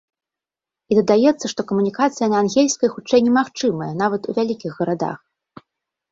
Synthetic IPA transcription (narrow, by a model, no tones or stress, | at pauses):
id̪ɐd̪ajɛt̪sːɐʂt̪ɔkɐmunʲikat̪sɨjɐnɐanɣʲelʲsʲkɐjxut͡ʂɛjnʲɛmaxt͡ʂɨmɐjɛnavɐt̪ṵvʲalʲikʲiɣɣɐɾad̪a̰x